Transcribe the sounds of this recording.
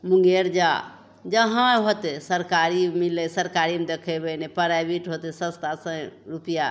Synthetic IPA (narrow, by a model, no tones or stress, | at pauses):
mũŋɡeɾd͡ʒa | d͡ʒəɦãɦot̪esəɾkaɾimilesəɾkaɾimd̪ekʰebenepəɾabiʈɦot̪esə̃st̪asə̃ɾupija